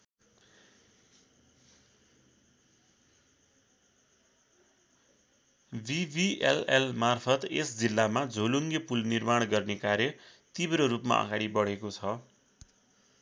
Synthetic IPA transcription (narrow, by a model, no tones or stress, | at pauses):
bibielelmarpʰʌt̪esd͡zilːamad͡zʱoluŋɡepulnirmaɽ̃ɡʌrnekaɾjʌt̪ibɾoɾupma̰ʌ̰ɡaɽibʌɽekot͡sʰʌ